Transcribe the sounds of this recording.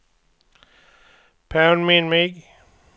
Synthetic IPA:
pʰãʊ̃nmĩnmiɡ

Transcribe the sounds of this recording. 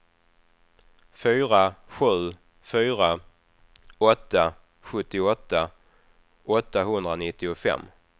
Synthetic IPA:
fyːɾaɧʉ̟ː | fyːɾa | ɔt̪ːa | ɧɵt̪ːɪɔt̪ːa | ɔt̪ːaɦɵnd̪ɾanɪt̪ːɪʊfɛ̰mː

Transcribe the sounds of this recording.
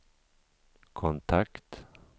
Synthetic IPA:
kʰɔnt̪ʰakt̪

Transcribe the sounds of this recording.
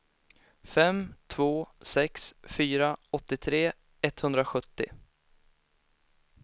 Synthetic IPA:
fɛmt̪ʰvoːsɛksfyːɾaɔt̪ːɪt̪ʰɾeː | ɛt̪hɵnd̪ɾaɧɵt̪ːɪ̰

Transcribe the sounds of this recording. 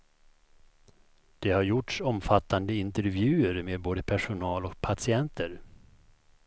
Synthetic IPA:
d̪̥ɛhaɾjʊʈʂɔmfat̪ːand̪əɪnt̪əɾvjʉ̟ːəɾmeːd̪̚boːd̪əpʰæʂʊnɑːlɔk̚pʰasɪɛnt̪ʰəɾ

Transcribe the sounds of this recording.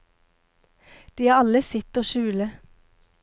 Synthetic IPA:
d̪̥iːhɑːɑləsɪt̪oːʃʉːlə

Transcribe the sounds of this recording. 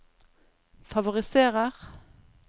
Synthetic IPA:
fɑʋʊʁɪseːʁəʁ

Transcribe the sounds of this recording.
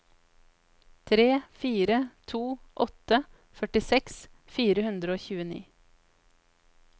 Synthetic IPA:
t̪ʰɾeːfiːɾət̪ʰuːʔɔt̪ə | fœʈɪsɛksfiːɾəhʉnd̪ɾəoːçʉːənḭː

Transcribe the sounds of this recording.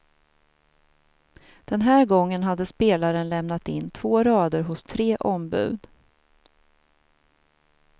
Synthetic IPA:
d̪̥ɛnɦæːɾɡɔŋːənɦad̪ːəspeːlaɾənlɛmnat̪ɪnːt̪ʰv̥oːɾɑːd̪əɾɦʊst̪ʰɾeːʔɔmbʉ̟̰ːd̪

